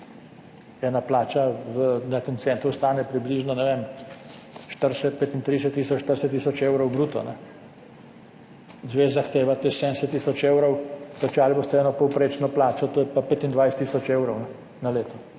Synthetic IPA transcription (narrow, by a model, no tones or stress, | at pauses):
ɛːnaplaːt͡ʃaʋənakənt̪sɛnt̪ɾust̪aːnɛpɾibliːʒnɔnɛʋeːm | ʃt̪əɾsɛt̪̚peːt̪int̪ɾijsɛt̪ːiːsɔt͡ʃʃt̪əɾsɛt̪ːisɔt͡ʃewɾɔwbɾuːt̪ɔ̰nɛ | zʋeːzaxt̪eːʋat̪esɛnsɛt̪ːisɔt͡ʃeːwɾɔwk̪ɐt͡ʃaːlibost̪ɛɛːnɔpɔwpɾeːt͡ʃnɔplaːt͡ʃɔt̪oːjɛpapeːt̪ind̪ʋajsɛ̥t̪ːiːsɔt͡ʃeːwɾɔwnɛ | naleːt̪ɔ